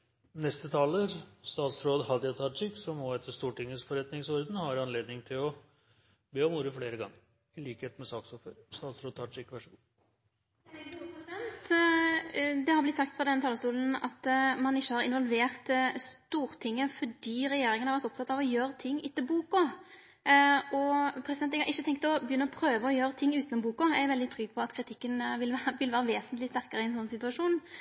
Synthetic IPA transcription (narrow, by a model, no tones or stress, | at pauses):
nɛst̪ət̪ʰɑːləɾst̪ɑːt̪sɾoːd̪hɑd̪ɪɑt̪ʰɑʈɪksɔmːɔɛt̪ʰəʂt̪uːʈɪŋːəsfɔɾɛt̪nɪŋsɔɾd̪n̩hɑɾɑnleːd̪nɪŋt̪ʰɪlɔ | beːɔmnuːɾəfleːɾəɡɑ̰ŋːə | ɪliːkheːt̪mɛsɑːksɔføːɾɪst̪ɑːt̪sɾoːd̪̚t̪ʰɑʂɪkːʋæʂəɡuː | ɛnt̪ | d̪ɛhɑɾblɪt̪sɑkt̪fɾʁɑd̪ɛnːət̪ɑləst̪uːln̩ɑt̪mɑnɪçːəhɑɾɪ̰nʋɔlʋeːʁt̪st̪uːɾt̪ʰɪŋːəfɔɖiːɾɛjeːɾɪŋənhɑɾʋæɾt̪ɔpt̪ʰɑt̪ːɑʋɔjøːɾət̪ʰɪŋːʔɪt̪ːəbuːkʊ | ɔpʰɾɛsɪd̪ɛnt̪ːɛɡhɑɾʔɪçːət̪ʰɛŋkt̪ɔbjʏnːəɔpʰɾøːʋəɔjøːɾət̪ʰɪŋːʉːt̪nɔmbuːkʊæɪʋɛld̪ɪt̪ʰɾʏɡ̚pʰɔɑt̪kʰɾɪt̪ʰɪkːənʋɪlæʋɪlʋæːɾəʋeːsənt̪lɪst̪æɾkɑɾəɪɛnsɔnːsɪt̪ʉɑʂuːn